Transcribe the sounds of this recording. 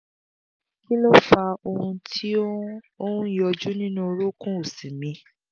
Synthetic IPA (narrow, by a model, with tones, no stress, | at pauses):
ki˦lo˦fa˧o˧hũ˧tʰi˦o˦ | õ˦jɔ˧d͡ʒu˦nĩ˦nũ˦˧ɾo˦kũ˦o˨sĩ˨mĩ˧˦